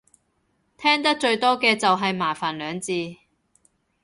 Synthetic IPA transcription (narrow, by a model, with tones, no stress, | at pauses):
t̪ʰɛː˥ŋt̪ɐ˥k̚t͡ʃɵ˧ɥt̪ɔː˥kɛː˧t͡sɐ˨wɦɐ˨jmaː˨˩faː˨˩nlœː˨˧ŋt͡siː˧